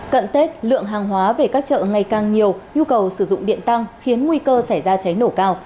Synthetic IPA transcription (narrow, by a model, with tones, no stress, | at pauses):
kə̰˧˨nt̪e˦˥t̚lɨ̰˧˨əŋɦaː˨˩ŋɦwaː˨˦ve˨˩kaː˦˥k̚t͡ɕə̰ː˧˨ŋa˨˩jkaː˨˩ŋɲi˨˩əwɲu˧kə˨˩wsɨ˧˩zʊ̰˧˨ŋ͡mɗḭ˧˨ənt̪a˧ŋxi˨˦ənŋwi˧kəː˧sa˧˩jzaː˧t͡ɕa˨˦jno˧˩kaː˧w